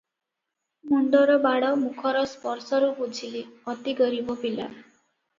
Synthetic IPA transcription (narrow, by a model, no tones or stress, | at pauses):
muɳɖɔɾɔbaɽɔmukʰɔɾɔspɔɾsɔɾubud͡ʒʱiliɔt̪iɡɔɾibɔpila̰